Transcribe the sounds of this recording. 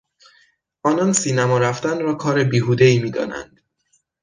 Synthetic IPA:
ʔɒːnɒːnsiːnæmɒːɾæft̪ænɾɒːkʰɒːɾe̞biːɦuːd̪eiːmiːd̪ɒ̰ːnæ̰nd̪̥

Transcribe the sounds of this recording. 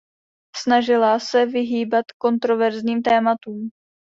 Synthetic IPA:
snaʒɪlasɛvɪɦiːbat̪ko̞nt̪ɾo̞vɛɾzɲiːmt̪ɛːmat̪uːm

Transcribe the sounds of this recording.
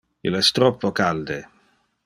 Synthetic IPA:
ḭloɛst̪ɾɔpːokald̪e

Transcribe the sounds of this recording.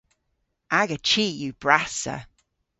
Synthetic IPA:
ʔaɡət͡ʃʰiˑʔjəb̥ɹasə̰

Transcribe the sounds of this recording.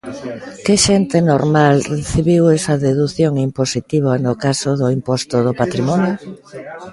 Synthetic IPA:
keʃɛnt̪enoɾmalreθiβiwɛsɐðeðuθjoŋimposit̪iβ̞anʊkasoðʊimpɔst̪ʊðopat̪ɾimɔnjo

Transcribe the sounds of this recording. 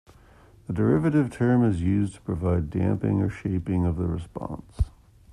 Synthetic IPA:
ðədə˞ɪvɨɾɨv̥tʰɜ̃˞mɨzjʉztʰə̥pʰɹ̥ɨvaɪdæ̰̃mpɪ̰̃ŋə˞ʃeɪpɪ̃ŋʌvðəɹɨspɑ̰̃ns

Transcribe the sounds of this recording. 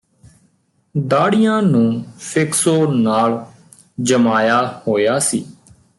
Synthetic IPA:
d̪aːɽɪjãːnũːpʰɪksoːnaːl | d͡ʒəmaːjaːhoːjaːsiː

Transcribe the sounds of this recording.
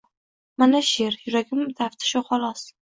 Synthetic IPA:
manaʃeɾjʊɾaɡʲɪmmʊt̪ʰaft̪ʰɪ̥ʃʊχɒlˠɒs

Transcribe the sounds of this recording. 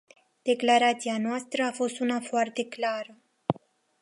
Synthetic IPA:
d̪̥e̞klaɾat̪sianoast̪ɾəafo̞st̪unafoart̪e̞klaɾə

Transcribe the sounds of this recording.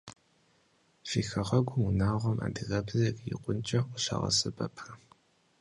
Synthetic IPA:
fiːxɐʁɐɡʷʊmunaːʁʷɔmʔa̰ːdɨɣɐbzɐkʼjḭqʷʊnt͡ʃʼɐʔʷʊɬɐ̰ʁɐ̰sɨbʼɐpʰɐ

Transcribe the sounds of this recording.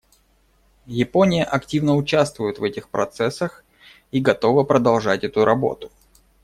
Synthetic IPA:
jɪponʲɪjəʔɐktʲivnəʊt͡ɕast̪vʊjʊt̪vɛtʲɪxpɾɐ̰t̪sɛsːəx | iɡɐt̪o̞vəpɾəd̪ɐlˠʐatʲɛt̪ʊɾʔɐbo̞̰t̪ʊ̥

